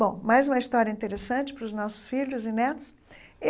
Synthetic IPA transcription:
bõmajzũmɐist̪ɔɾjɐĩnt̪eɾesɐ̃t͡ʃɪ̥pɾʊznɔsʊ̥sfiʎʊzɪnɛt̪ʊ̥s

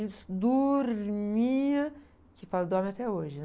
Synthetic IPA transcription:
lɪsd̪oɾmiɐ̃ | kɪfalɐd̪ɔ̃mẽat̪ɛoʒɪ

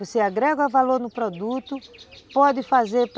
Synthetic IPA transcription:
oseaɡɾɛɡɐvaloɾnʊpɾod̪ut̪ʊpɔd̪ɪfazeɾp

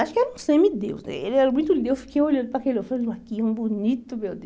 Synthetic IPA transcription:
aʃʊ̥kɪɛɾɐũsẽmɪd̪ewsnɛ̰elɪɛɾɐmũj̃t̪ʊid̪ewsfi̥kejolɐ̃d̪ʊpɾɐkelewfãakiɛũbunit̪ʊmewd̪e

